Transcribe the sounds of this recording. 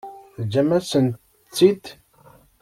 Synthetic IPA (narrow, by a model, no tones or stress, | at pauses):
θd͡ʒːæmæsənt̪ | t͡sːid̪